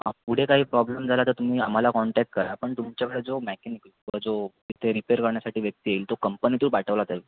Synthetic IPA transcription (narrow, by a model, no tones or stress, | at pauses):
əpuɽ̤ekaɦiːpɾɔbləmd͡zʱalat̪əɾt̪um̤iːam̤alakɔɳʈɛk̚ʈ̚kəɾapəɳt̪umt͡ɕjakeɭed͡zomɛkenik | ĩʋad͡zo | it̪ʰeɾipeɾkəɾɳjasaʈʰiːʋjək̚t̪iːeiːlt̪okəmpənit̪uːɾbaʈʰəʋlat̪ai